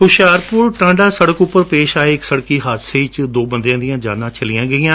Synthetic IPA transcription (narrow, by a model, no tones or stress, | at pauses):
kʊʃaːɾpʊːɾʈãːɳɖaːsəɽəkʊpːəɾpeːʃaːeːɪksəɽkiːɦaːt̪seːt͡ʃd̪oːbənd̪jãːd̪ijãːd͡ʒa̰ːnãːt͡ʃəlɪjãːɡəɪãː